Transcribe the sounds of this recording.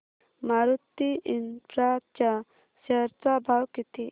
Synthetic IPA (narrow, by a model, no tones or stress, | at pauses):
maɾut̪ːiʔinpʰɾat͡ʃa | sɛɾt̪abʱawkit̪i